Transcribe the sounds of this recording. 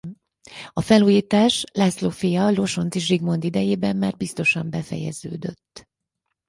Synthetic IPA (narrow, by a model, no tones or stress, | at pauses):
ɒfɛluːjiːt̪aːʃlɛslo̞fijɒlo̞ʃo̞nt̪iʃ̬riɡmo̞nd̪id̪ɛjeːbɛmːaːrbist̪o̞ʃɒmbɛfɛ̰jɛ̰zø̰ːd̪ø̰t̪ː